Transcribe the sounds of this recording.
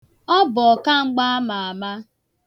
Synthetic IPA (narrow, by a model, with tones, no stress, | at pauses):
ɔ˦bʊ˨ɔ˨ka˦ŋ͡m̩˦ɡ͡ba˦a˦ma˨a˨ma˦